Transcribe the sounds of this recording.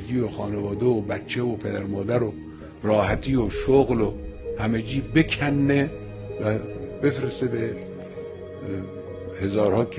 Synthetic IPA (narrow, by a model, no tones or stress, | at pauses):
ɡiːoxɒːnevɒːd̪e̞obæt̪t͡ʃʰːe̞opʰe̞d̪æɾmɒːd̪æɾo | rɒːhæt̪ʰiːjoʃoɣlohæmed͡ʒiːbe̞kʰænːe | væbe̞fɾesebe | he̞zɒːɾhɒːk